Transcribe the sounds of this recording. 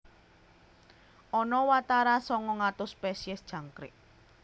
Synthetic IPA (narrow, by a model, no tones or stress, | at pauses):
ʔɔnɔwat̪aɾasɔŋɔŋat̪ʊspɛsiɛsd̥ʒ̥ä̤ŋkɾɪ̰ʔ